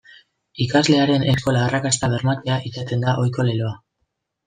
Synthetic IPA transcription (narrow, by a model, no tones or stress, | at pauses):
ikazle̞aɾe̞ne̞sko̞laːrakast̪aβe̞ɾmat̪eaʔisat̪e̞nd̪aʔo̞jko̞le̞lo̞a